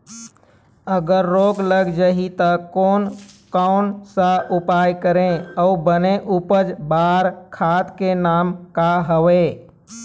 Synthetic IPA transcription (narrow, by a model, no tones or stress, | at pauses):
əɡəɾːoːɡləɡd͡ʒaɦit̪əkoːnkɔʊnsəʔupajkəɾẽɔubənẽʔupəd͡ʒbaɾkʰat̪kenaːmkaɦəwe